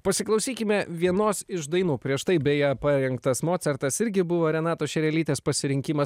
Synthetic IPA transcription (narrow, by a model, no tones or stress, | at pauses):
pɐsʲɪklˠɐʊsʲiːkʲɪmʲɛʋʲiɛnoːsɪʒd̪ɐɪnuːpʲɾʲiɛʃt̪ɐɪbʲɛjɛpɐɾʲɛŋkt̪ɐsmoːt̪sʲɛɾt̪ɐsɪɾʲɡʲɪbʊʋoːɾʲɛnɑːt̪oːʃʲɛɾʲɛlʲiːt̪ʲeːspɐsʲɪɾʲɪŋʲkʲɪmɐs